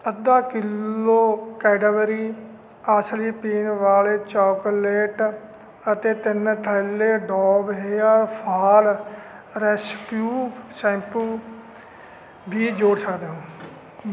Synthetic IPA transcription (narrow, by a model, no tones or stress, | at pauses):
əd̪ãːkɪloːkɛːɖəbəɾiː | asliːpiːnʋaːleːt͡ʃaːkoleːʈ | ət̪eːt̪ɪnt̪ʰəlːeːɖɔːbɦeaːpʰaːl | ɾɛːskjuːsɛ̃ːmpul | bʱiːd͡ʒoːɽsəkd̪eːɦõː